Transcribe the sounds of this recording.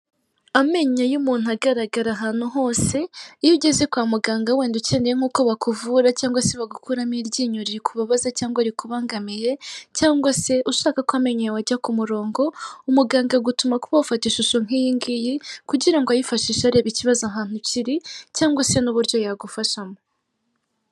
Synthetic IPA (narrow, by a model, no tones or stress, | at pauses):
ame̞ɲejumuːn̥uaɡaɾaɡaɾaɦaːn̥uɦo̞ːse̞iβɟeze̞kwaːmuɡaːŋɡaweːnduce̞nejeŋ̥uːkoβakuvuɾacaːŋɡwaseβaɡukʰuɾamiɾɟiːɲuɾiɾikʰuβaβazacaːŋɡwaɾikuβaːŋɡamije̞caːŋɡwase̞ʔuʃaːkakwame̞ɲejawaɟakumuɾo̞ːŋɡo̞umuɡaːŋɡaɡutumakuβawufatiʃuʃoŋ̥ijiːŋɡijikuɟiɾaŋɡoajifaʃiːʃaɾe̞ːβiciβazaɦaːn̥uciɾicaːŋɡwase̞nuβuɾjo̞jaɡufaʃamo